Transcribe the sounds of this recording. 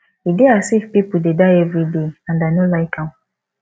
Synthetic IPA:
ideasefpipudedaɛvɹideãndanolaɪkãw

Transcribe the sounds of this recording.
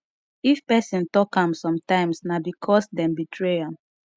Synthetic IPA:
ifpɛsĩntɔkãmsɔ̃mtãɪ̃msnabikʰɔsdɛ̃mbitʰɹeãm

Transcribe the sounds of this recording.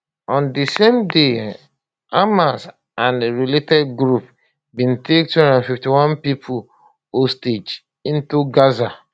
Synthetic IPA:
ɔ̃ndisẽmde | amas | ãnɹiletɛd̚ɡɾup | bĩntʰek̚tndãfiftiwɔ̃npipʰul | osted͡ʒ | ĩntuɡaza

